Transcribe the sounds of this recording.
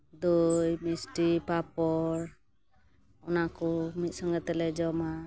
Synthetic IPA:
d̪ojmisʈipapɔɾ | ɔnakɔmit̪̚ˀsɔŋɡɛt̪ɛlɛd͡ʒɔma

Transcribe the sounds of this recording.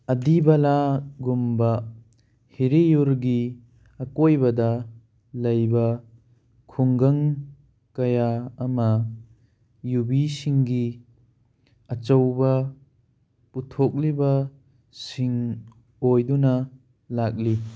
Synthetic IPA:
ɐdibɐlaɡumbɐ | hiɾijuɾɡi | ɐkojbɐdɐ | lɐjbɐ | kʰuŋɡɐŋ | kɐjaːmɐ | jubisiŋɡi | ɐt͡ʃɐwbɐ | putʰok̚libɐ | siŋ | ojdunɐ | lak̚li

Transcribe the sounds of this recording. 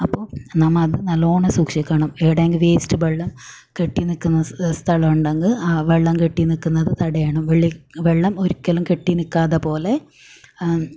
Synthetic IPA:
ɐpːoːnɐmːɐɐðɨnɐloːɳɐsuːkʂikʲːɐɳɐmeːiɽeːŋɡilʋeːstːɨʋeɭːɐm | keʈːinikːunːɐst̪ʰɐɭɐmuɳɖɐŋɡɨaːʋeɭːɐmkeʈːinikːunːɐðɨt̪ɐɽɐjaːɳɐmʋeɭːiʋeɭːɐmoɾikʲːɐlumkeʈːinikːaːðɐpo̞ːle̞

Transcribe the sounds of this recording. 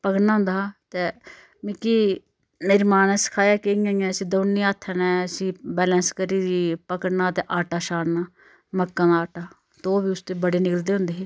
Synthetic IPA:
pəkəɽnaːɦʊ̃nd̪aːt̪eː | mɪkiː | nɪɾmaːnɛ̃ːsə̥kʰaːjaːkeiãːjãəsĩːd̪oːnːĩaːt̪ʰːənɛ̃ːəsĩːbɛːlɛ̃ːnskəɾiːɾiːpəkəɽnaːt̪eːʔaːʈaːʃaːɽnaː | məkːãːd̪aaːʈaː | t̪oːbiːʊst̪eːbəɽeːnɪkəld̪eːɦʊ̃nd̪eːɦeː

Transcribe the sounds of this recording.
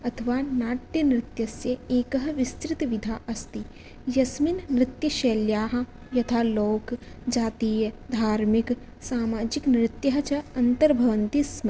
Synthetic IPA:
ɐt̪ʰəʋanaːʈjənɾɪt̪jɐsjəeːkɐɦʋɪst̪ɾɪt̪ʋid̪ʱaːʔɐst̪i | jɐsmɪnːɾɪt̪jəʃeːljaːɦ | jɐt̪ʰaːloːk | d͡ʒaːt̪iːjəd̪ʱaːɾmɪk | saːmaːd͡ʒɪknɾɪt̪jɐɦɐt͡ʃɐɐnt̪əɾbʱɐʋənt̪ismɐ

